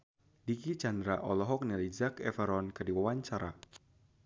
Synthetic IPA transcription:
dikit͡ʃandɾaʔɔlɔɦɔk̚nɛlid͡ʒakɛfəɾɔnkadiwawaɲt͡ʃaɾa̰

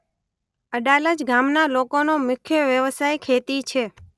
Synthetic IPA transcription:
əɖaləd͡ʒɡamnalokonomʊkʰjəʋjəʋsajkʰet̪it͡ʃʰe

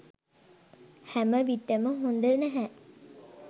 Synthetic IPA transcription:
hæməʋiʈːəməɦund̪ənæɦæ

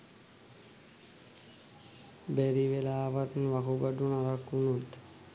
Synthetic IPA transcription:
bæɾiʋelaːʋat̪nʋakubaɖunaɾakːunut̪

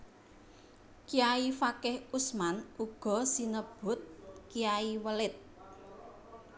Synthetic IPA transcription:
kiaifakɪhusmanuɡ̥ɔ̤sinəb̥ʊ̤t̪̚kiaiwəlɪt̪̚

